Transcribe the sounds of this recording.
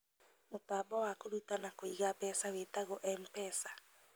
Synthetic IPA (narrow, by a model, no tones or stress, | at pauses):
motaːbɔwakoɾutanakoiɣapɛsawetaɣoʔɛmpɛsḁ